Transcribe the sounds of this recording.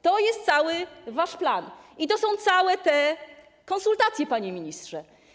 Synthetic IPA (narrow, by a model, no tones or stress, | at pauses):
t̪ɔjɛst̪t̪sawɘvaʂplanit̪ɔsɔ̃w̃t̪sawɛt̪ɛ | kɔ̃nsult̪at̪sʲjɛpaɲemʲiɲistʂɛ